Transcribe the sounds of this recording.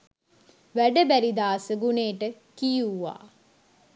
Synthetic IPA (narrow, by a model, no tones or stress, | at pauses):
ʋæɖəbæɾid̪aːsəɡuneːʈə | kijuwːa̰ː